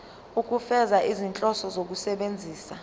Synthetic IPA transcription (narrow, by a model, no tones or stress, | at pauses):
uk̬ʼufɛzaʔizint͡ɬʼɔsɔzok̬usɛɓend͡zʱiːsa